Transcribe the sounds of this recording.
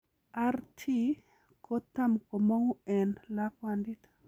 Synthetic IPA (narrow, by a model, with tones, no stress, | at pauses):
a˦rtʰi˦ | kʰo˦t̪ːa˦mko˨mo˦wu˦ɛ˨nla˦kwandi˦t̪